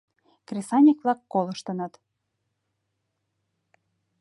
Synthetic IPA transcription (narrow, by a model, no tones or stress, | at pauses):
krʲesɑnʲikβlɑkːolɤ̆ʃt̪ɤ̆nɤt̪